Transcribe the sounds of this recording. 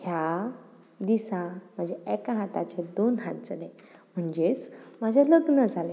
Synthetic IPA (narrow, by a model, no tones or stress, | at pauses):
ɦja | d̪isãm̤əɳd͡ʑeekaɦat̪a̰t͡ɕed̪onɦat̪̚d͡zəle | m̤əɳd͡ʑet͡smad͡ʑʱaləɡnəd͡zʱale